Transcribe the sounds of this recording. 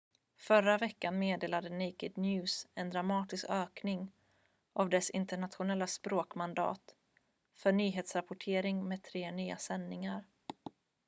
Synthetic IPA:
fœɾavɛkːanmeːd̪eːlad̪ənɪkɪd̪njʉːsɛnd̪ɾamɑːt̪ɪskøːknɪŋ | ʔavd̪ɛsɪ̰nt̪əɳat̪ɧʊnɛlːaspɾoːkmand̪ɑ̰ːt̪ | fœɳyːɦeːt̪sɾapʊʈʰeːɾɪŋmeɛːd̪̚t̪ʰɾeːnyːa̰sɛnːɪŋaɾ

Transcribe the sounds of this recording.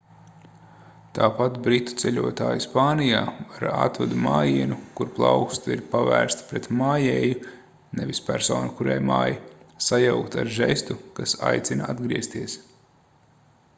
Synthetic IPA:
t̪aːpat̪bɾit̪ːu̥t̪sɛʎʲuɔt̪aːjuspaːnijaːvaɾa̰t̪vad̪umaːjiɛnukuɾplˠɑ̰ʊkst̪iɾpavæːɾst̪pɾɛt̪maːjɛːju | nɛvʲispæɾsɔ̰ːnukuɾajma̰ːjsajawkt̪aɾʒɛst̪ukasa̰jt̪sʲinaad̪ɡɾiɛst̪iɛs

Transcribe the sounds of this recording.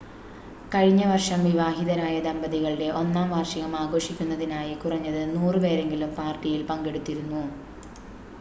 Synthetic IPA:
kɐɻiɲːɐʋɐrʂɐmʋiʋaːɦiðɐɾaːjɐd̪ɐmbɐðiɣɐɭiɖe̞ʔo̞nːaːmʋaːrʂiɣɐmaːɡo̞ːʂikʲːunːɐðinaːjikurɐɲːɐðɨnuːrɨpe̞ːɾe̞ŋɡilumpaːrʈːijilpɐŋɡe̞ɽut̪ːiɾunːu

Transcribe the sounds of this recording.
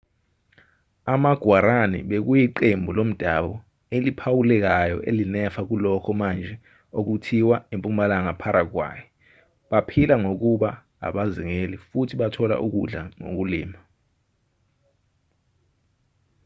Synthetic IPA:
amaɡ̥ʱwaɾanḭɓek̬ujiǃembʱulom̩d̥ʱaɓɔ | elipʰawulɛk̬ajɔ̰ʔḛlinɛfak̬ulɔkʰɔmand͡ʒʱɛ | ok̬utʰiwaempʼumalaŋapʰaɾʔak̬wa̰ːjɛ | ɓapʰilaŋok̬uɓa | a̰ɓaziŋelifutʰiɓatʰɔla̰ʔuk̬uɮaŋo̰k̬ulḭːma

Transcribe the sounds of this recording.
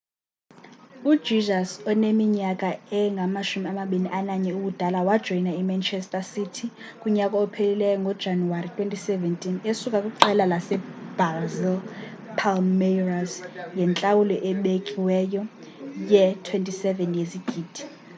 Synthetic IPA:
u̥ʒ̥izasɔnemiɲakʼaɛŋɡʱamaʃumiamaɓiniʔanaɲɛuɓud̥ʱalawad̥ʒ̥ʱɔinaimant͡ʃʰɛstʼasitʰi | kʼuɲakʼɔɔpʰelilɛjɔŋɡʱɔd̥d͡ʒ̥ʱanuwaritʰwentʰʼisɛvɛntʼinesukʼakʼuǃɛlalasɛb̥azil | pʰalmɛrasjɛnt͡ɬʼawulɔʔɛɓekʼiwɛjɔ | jɛtʰwentʼisɛvɛnjesiɡ̥ʱiːd̥ʱi̥

